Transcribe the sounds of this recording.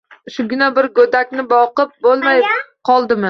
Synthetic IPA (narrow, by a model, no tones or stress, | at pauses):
ʃʊɡʲɪnabɪɾɡod̪akʲnɪbɒqɨp̚bolˠmajqʰɒlˠd̪ɪmɪ